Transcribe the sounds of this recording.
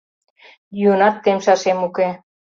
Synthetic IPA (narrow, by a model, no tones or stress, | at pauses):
jyənɑt̪ːemʃɑʃemuke